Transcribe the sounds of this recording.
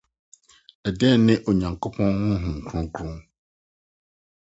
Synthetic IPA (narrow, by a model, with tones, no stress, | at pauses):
ɛ˨dɛ˦˨nɪ̃˦ʔo˨ɲã˨ŋkʰo˦pʰɔ̃˦nhʊ̃˦ɦʊ̃˨ŋ̩˨kʰu˦ũ˦kʰɾũ˦